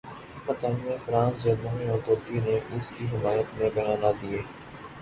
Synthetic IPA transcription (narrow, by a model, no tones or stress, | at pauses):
pəɾt̪aːnijafɾãːnsd͡ʒənoɦĩɔ̃ːt̪ʊːɾt̪ineʔɪskiɦɪmaːjət̪mẽbɐjaːnad̪ieː